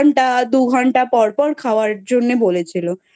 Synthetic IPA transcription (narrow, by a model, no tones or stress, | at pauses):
ɳʈad̪uɡʱɔɳʈapɔɾpɔɾkʰaoaɾd͡ʑonːebolet͡ɕʰilo